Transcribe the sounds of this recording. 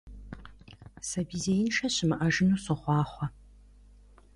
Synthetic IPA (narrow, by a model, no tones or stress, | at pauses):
sɐbiːzejɪnʃɐɕɪmɨʔɐʒɪnuːsɨχʷɑːχʷɔ